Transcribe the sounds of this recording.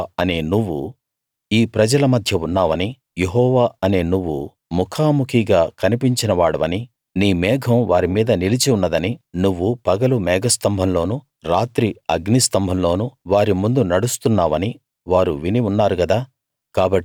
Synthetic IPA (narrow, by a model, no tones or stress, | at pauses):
ɐneːnuʋːṵ | iːpɾɐd͡ʒɐlɐmɐd̪ʱjɐunːaːʋɐni | jeɦɔːʋaːɐne̞ːnuʋːṵ | mukʰaːmukʰiɡaːkɐnipiɲt͡ʃinɐʋaːɽɐʋɐni | niːmɛːɡʰʱɐ̃mʋaːɾimiːd̪ɐnilit͡ʃiunːɐd̪ɐninuʋːupɐɡɐlumɛːɡɐst̪ɐmbʱɐmlo̞ːnu | ɾaːt̪ɾiɐɡnist̪ɐmbʱɐmlo̞ːnuʋaːɾimund̪unɐɽust̪unːaːʋɐni | ʋaːɾuʋiniunːaːɾukɐd̪aː | kaːbɐʈː